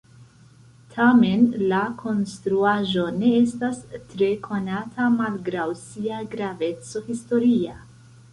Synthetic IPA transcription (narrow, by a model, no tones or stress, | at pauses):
tʰame̞nlakʰo̞nstɾuaʒo̞ne̞e̞stastɾe̞kʰo̞natʰamalɡɾawsiaɡɾave̞t͡so̞histo̞ɾia